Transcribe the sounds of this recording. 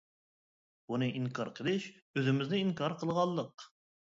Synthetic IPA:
bunɨʔiŋkʰɑɾqʰəlˠɪʃ | øzɪmɪznɪiŋkʰɑɾqʰəlˠʁɑlˠːəq̚

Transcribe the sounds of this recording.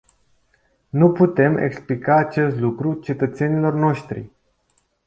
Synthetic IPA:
nuput̪e̞me̞̰ksplikaːt͡ʃe̞st̪lukɾut͡ʃe̞t̪ət̪se̞nilo̞rno̞ʃt̪ɾḭ

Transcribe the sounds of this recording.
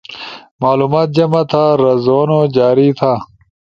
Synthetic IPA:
maːluːmaːt̪̚d͡ʑɐmɐt̪ʰaːɾɐzoːnod͡ʑaːɾit̪ʰaː

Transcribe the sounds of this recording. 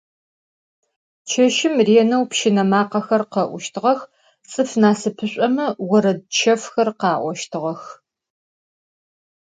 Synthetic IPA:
t͡ʃʰɐʃɪmriɛnɐwpʃɪnɐmaːqɐxɐrqɐʔʷʊʃtʰɨʁɐx | t͡sʼɨfnaːsɨpʰɨɕʷʼɐmɐwɔɾɐd̚t͡ʃʰɐfxɐrqɑːʔʷɔʃtʰɨʁɐx

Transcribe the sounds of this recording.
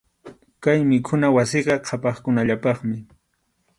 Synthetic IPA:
kajmɪkʰʊnawasɪɢɑqʰɑpɑχkʊnaʎapɑχmɪ

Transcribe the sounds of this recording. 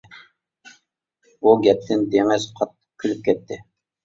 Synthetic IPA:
uɡʲɛp̚t̪ʰɪnd̪eŋɪzqʰɑt̪ːə̥q̚kʲʰylyp̚kʲɛt̪ʰːɪ

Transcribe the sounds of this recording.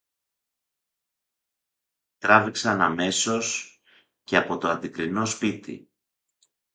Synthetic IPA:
t̪ɾɐviksɐnɐme̞so̞s | ce̞ɐpo̞t̪o̞ɐnd̪ikɾino̞spit̪ḭ

